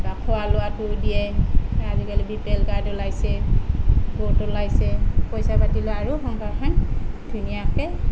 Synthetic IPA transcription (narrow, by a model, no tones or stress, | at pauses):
bakʰɔwalʊwatudijɛazikalibipɛlɡaɹdɔlajsɛ | botɔlajsɛpɔjsapatilɔaɹuxɔŋkaɹkʰandʱunijakɛ